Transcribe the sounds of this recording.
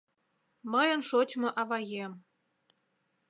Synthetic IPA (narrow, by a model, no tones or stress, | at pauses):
məjə̆nʃot͡ɕʲmoʔɑβɑjem